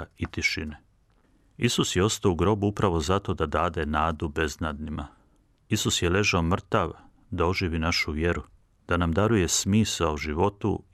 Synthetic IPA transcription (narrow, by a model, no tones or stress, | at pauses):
it̪iʃine | isusjeo̞st̪auɡɾo̞buupɾaʋo̞zat̪o̞d̪ad̪aːd̪e̞naːd̪ube̞znad̪nima | isusje̞le̞ʒaomr̩t̪aʋ | d̪ao̞ʒiːʋinaʃuʋje̞ɾu | d̪̥anamd̪aɾuje̞smiːsauʒiʋo̞t̪u